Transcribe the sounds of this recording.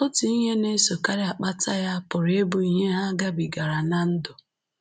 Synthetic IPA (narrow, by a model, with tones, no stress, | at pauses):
o˦tu˨i˦ɲe˦ne˦so˨ka˦ɾɪ˦a˨k͡pa˦ta˦ja˦pʊ˨ɾe˦bu˨i˨ɦe˦ɦa˦ɡa˦bi˨ɡa˨ɾa˨na˦n̩˦dʊ˨